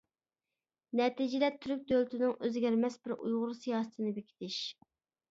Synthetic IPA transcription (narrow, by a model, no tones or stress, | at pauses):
nɛt̪id͡ʒilɛt̪ʰyɾyk̚ʲd̪ølt̪ʰɪnɪŋøzɡʲæɾmɛsbɪɾṵjʁʊɾsijɑːsɨ̥t̪ʰɨnɪbekʲʰi̥t̪ʰɪʃ